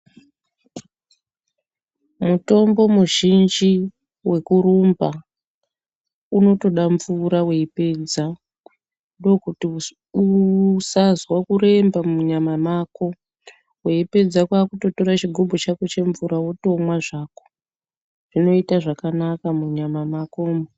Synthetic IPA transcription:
muto̞mbo̞muʒind͡ʒi | we̞kuɾumba | uno̞to̞ɗaɱvuɾaweipe̞d͡za | ndookuti | usazwakuɾe̞mbamuɲamamako̞ | weipe̞d͡zakwaːkuto̞to̞ɾat͡ʃiɡʱobʱot͡ʃakot͡ʃe̞ɱvuɾawotomwaʐaːko̥ | ʐ̥ino̞itaʐakanakamuɲamamakoːmo

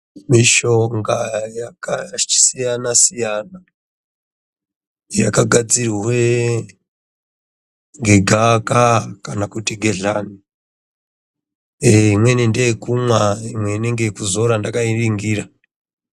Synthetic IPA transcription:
miʃo̞ŋɡajakai̥sijanasijana | ja̰kaɡʱad͡ziriwe | ŋɡe̞ɡʱakakanakutiɡʱe̞ɮani | imwe̞nindekumwaimwe̞ine̞ŋɡekuzo̞ɾandakairiŋɡiːra

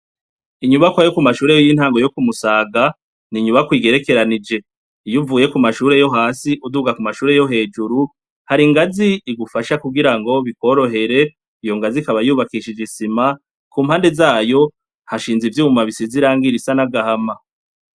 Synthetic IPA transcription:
iɲuβakwajokumaʃuːɾe̞jojin̥haːŋɡo̞jo̞kumusaːɡa | niɲuβakwiːɡe̞ɾe̞ke̞ɾanid͡ʒe̞ | ijuvuːje̞kumaʃuːɾe̞jo̞ɦaːsiʔuduɡakumaʃuːɾe̞jo̞ɦe̞ːd͡ʒuɾu | haɾiŋɡaziːɡufaʃakuɡiɾaŋɡo̞βiko̞ɾo̞ɦe̞ɾe̞ | ijo̞ŋɡazikaβajuːβakiʃid͡ʒisima | kuːmhaːnde̞zaːjo̞ | haʃiːnzivjuːumaβisiziɾaːŋɡiɾisanaɡahama

